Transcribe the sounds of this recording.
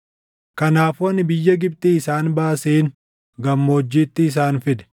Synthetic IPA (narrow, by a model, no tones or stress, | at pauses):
kɐnaːfʊɐnɪbɪjːɐɡɪb̚t̪iɪsaːnbaːseːn | ɡɐmːo̞ːd͡ʒːiːt̪ːɪːs̬aːnfɪd̪ɛ̥